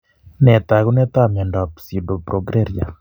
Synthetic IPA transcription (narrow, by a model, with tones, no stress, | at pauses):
nɛ˨t̪a˨ɣu˦nɛ˦t̪a˦˨mja˨ndɔ˨psi˨do˨pɾo˨ɡɾe˦ɾja˨